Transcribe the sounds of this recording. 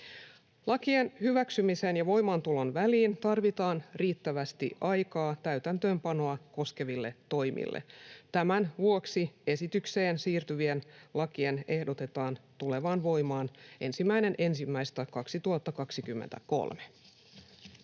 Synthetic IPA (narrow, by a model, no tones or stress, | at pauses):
lɑkienhyʋæksymisenjɑʋo̞jmɑnt̪ulonʋæliːnt̪ɑrʋit̪ɑːnriːt̪ːæʋæst̪ḭʔɑjkɑːt̪æyt̪ænt̪øːmpɑno̞ɑkoske̞ʋilːe̞o̞jmʔḭlːʔḛt̪æmænʋuoksie̞sit̪ykse̞ːnsiːrt̪yʋienlɑkie̞ne̞hdo̞t̪e̞t̪ɑːnt̪ule̞ʋɑːnʋo̞jmɑːnʔe̞nsimːæine̞nʔe̞nsimːæist̪ækɑksit̪uɑt̪ːɑkɑksikymːent̪æko̞̰lme̥